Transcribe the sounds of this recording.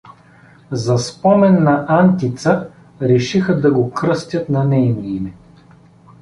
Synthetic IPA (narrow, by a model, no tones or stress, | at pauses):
zɐspɔmɛnːɐʔant̪it̪sə | ɾɛʃixəd̪ɐɡokɾɤst̪ʲjət̪nɐnɛjnniimɛ